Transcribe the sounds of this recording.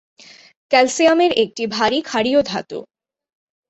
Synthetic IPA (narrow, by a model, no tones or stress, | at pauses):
kɛlsijameɾek̚ʈibʱaɾikʰaɾiod̪ʱa̰t̪o̰